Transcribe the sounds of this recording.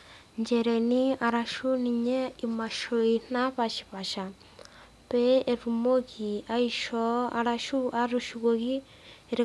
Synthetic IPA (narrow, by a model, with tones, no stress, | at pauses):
nd͡ʒɛɾe˨ni˦a˨ɾa˨ʃu˦ni˨ɲɛ˦ima˨ʃo˨in̥a˦ɸa˨ʃi̥˨βa˨ʃa˨ | pɛː˨ɾumo˦ki˨aiʃɔ˦a̰ɾaʃu˦ʔaɾuʃuɣo˨ɣi˦ | eɾi˦